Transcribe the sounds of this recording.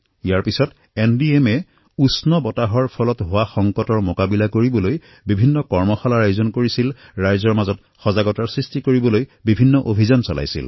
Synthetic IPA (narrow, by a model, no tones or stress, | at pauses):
ijaɹpisɔt | endiɛmɛ | usnɔbɔtaɦɔɹpʰɔlɔtɦowaxɔŋkɔtɔɹmokabilakoɹibɔloj | bibʱinːɔkɔɹmɔxɔlaɹajuzɔnkoɹisilɹajzɔɹmazɔt | xɔzaɡɔtaɹsɹistikoɹibɔlojbibʱinːɔʔobʱizansɔla̰jsḭl